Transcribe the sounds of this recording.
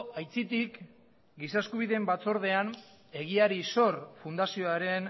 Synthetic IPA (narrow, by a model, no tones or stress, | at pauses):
ajt͡sit̪ik | ɡisaeskuβ̞iðe̞mbat͡so̞ɾðe̞an | e̞ɣ̞iaɾiso̞ɾfund̪asio̞aɾe̞n